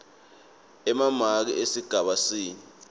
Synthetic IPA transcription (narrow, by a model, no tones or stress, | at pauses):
ɛmamak̬ḭesiɡ̥ʱaɓasiːni